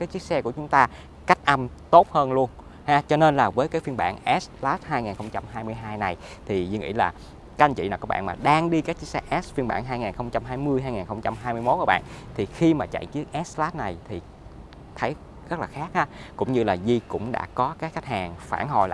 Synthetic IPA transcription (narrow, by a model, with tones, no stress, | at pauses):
kaː˨˦jt͡ɕi˦˥ək̚sɛ˧ku˧˩ət͡ɕʊ˨˦ŋ͡mt̪aː˧ | ka˦˥k̟̚ʔa˧m | t̪o˦˥t̚həː˧nlu˧ən | haː˧t͡ɕɔ˧ne˧nlaː˨˩vəː˨˦jkaː˨˦jfi˧nɓa̰ː˧˩nʔɛ˦˥slaː˦˥t̚haː˧jŋaː˨˩nxə˧wŋ͡mt͡ɕa˧mɦaː˧jmɨ˧jɦaː˧jna˨˩j | t̪ʰi˨˩zɨ˧ŋḭ˧˥laː˨˩ | ka˧ŋt͡ɕḭ˧˨naː˨˩kɔ˦˥ɓa̰ː˧˨nmaː˨˩ɗaː˧ŋɗi˧kaː˦˥k̚t͡ɕi˦ək̚sɛ˧ʔɛ˦˥sfi˧nɓa̰ː˧˩nɦaː˧jŋaː˨˩nxə˧wŋ͡mt͡ɕa˧mɦaː˧jmɨ˧əjɦaː˧jŋaː˨˩nxə˧wŋ͡mt͡ɕa˧mɦaː˧jmɨ˧əjmo˦˥kːɓa̰ː˧˨nt̪ʰi˨˩xi˧maː˨˩t͡ɕa̰˧˨t͡ɕi˨˦˥ək̚ʔɛ˦˥slaː˦˥t̚na˨˩jt̪ʰi˨˩ | t̪ʰə˨˦j | zə˦˥k̚laː˨˩xaː˦˥k̚haː˨˦kʊ̰˧˥ŋ͡mɲɨ˧laː˨˩zi˧kʊ̰˧˥ŋ͡mɗa̰ː˧˥kɔ˨˦kaː˦˥k̚xa˦˥k̚haː˨˩ŋfaː˧˩nɦo̰˧˨˩jl̰ː